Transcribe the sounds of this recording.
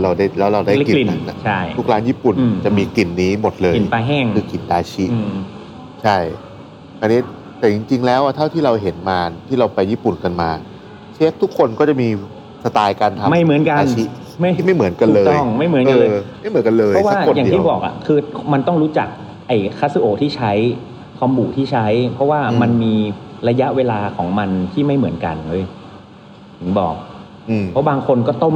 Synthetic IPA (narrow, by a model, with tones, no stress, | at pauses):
ɾa˧wdaː˥˩jlɛː˦˥wɾa˧wdaː˥˩˦ki˨li˨˩na˦˨˥nʔa̰˨˩t͡ɕʰa˥˩jt̪ʰu˦˥k̚ɾaː˦˥njiː˥˩pu˨˩n˧t͡ɕa˨˩miː˧ki˨˩nːiː˦˥mo˨˩t̪̚lɤː˧i˨˩paː˧ɦɛː˥˩ŋʰɯː˧ki˨˩ndaː˧t͡ɕʰi˦˥ʔ | t͡ɕʰa˥˩j | ʔa˧niː˦˥ | t̪ɛː˨˩t͡ɕi˧ŋt͡ɕi˧ŋlɛː˦˥wʔa˨˩t̪ʰa˥˩wt̪ʰiː˥˩ɾa˧wɦe˩˦nmaː˧nt̪ʰiː˥˩ɾa˧wpa˧jːiː˥˩pu˨˩nka˧nmaː˧ | t͡ɕ̚ʰːt̪ʰːu˦˥kʰːo˧nkɔː˥˩t͡ɕa˨˩miː˧ | sa˧t̪aː˧jkaː˧nt̪ʰa˧˦ma˥˩jmɯ˩˦ənka˧aː˧nt͡ɕʰi˦˥ | ma˥˩jma˥˩jmɯ˩˦nka˧u˩lɤː˧tɔ˥˩ŋma˥˩jmɯ˩˦nkːlːma˥˩jmɯ˩˦nka˧nlɤː˧˦˥waː˦˥˩jaː˨˩t̪ʰiː˥˩bɔː˨˩k̚ʔa̰˨˩kʰɯː˧ma˧nt̪ɔ˥˩ŋɾuː˦˥t͡ɕa̰˨˩k̚ | ʔa˨˩jkʰa˦˥si˧ʔoː˨˩t̪ʰiː˥˩t͡ɕʰa˦˥j | kʰwa˧mbuː˨˩t̪ʰiː˥˩t͡ɕʰa˦˥jpʰɾɔ˦˥waː˥˩ma˧nmiː˧ɾa˧ja˦˥ʔweː˧laː˧kʰɔː˩˦ŋma˧nt̪ʰiː˥˩ma˥˩jmɯ˩˦ənka̰˧nɤː˧˩j | t̪ʰɯ˩˦ŋbɔ̰ː˨˩k̚ | ʔɯː˧pʰɔ˦˥baː˧ŋkʰo˧nkɔː˥˩t̪ɔ˥˩